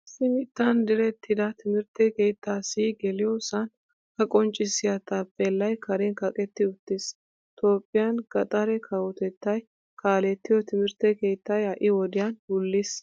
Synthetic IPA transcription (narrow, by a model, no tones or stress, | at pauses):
sɪmɪt̪ːɐnd̪ɪɾɛt̪ːɪd̪ɐt̪ʰɪmɪɾt̪ːɛke̞ːt̪ʰːaːsiɡɛlɪjɔsɐn | kɐkʼɔnt͡ʃʼːɪsɪjɐt̪ɐpʼːɛlːɐjkʰɐɾɛnkɐkʼɛt̪ːɪʊt̪ːɪs | t̪ʰo̞ːpʼːɪjɐnɡɐt̪ʼɐɾɛkʰɐwɔt̪ɛt̪ːɐj | kʰaːlɛt̪ːɪjɔt̪ɪmɪɾt̪ːɛke̞ːt̪ːɐjɐʔɪwɔd̪ɪjɐnhʊlːɪs